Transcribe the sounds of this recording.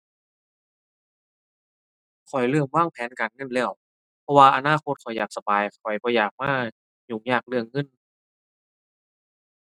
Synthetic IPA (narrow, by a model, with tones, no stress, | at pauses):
kʰɔ˨˩jlɯ˧˩əŋwaː˧˥˩ŋpʰɛː˨˦nkaː˨˩nŋɤ˧˥˨nlɛː˧˩w | pʰɔ˧waː˧ʔa˧naː˧˥˨kʰo˧t̪̚kʰɔ˨˩jaː˨˩k̚sa˧baː˨jkʰɔ˨˩jbɔː˧˦jaː˨˩k̚maː˧˥˩ | juː˨˩ŋɲaː˧˩k̚lɯ˧əŋːɤ˧˥˨n